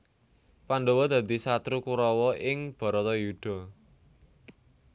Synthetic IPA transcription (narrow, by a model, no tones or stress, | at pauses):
panɖowɔd̪̥a̤d̪i̤sat̪ɾukuɾɔwɔʔɪŋb̥ɔ̤ɾɔt̪ɔjud̪̥ɔ̤